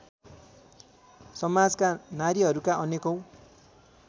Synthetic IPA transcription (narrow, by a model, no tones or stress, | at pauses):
sʌmad͡zkanaɾiɦʌɾukaʔʌnekʌw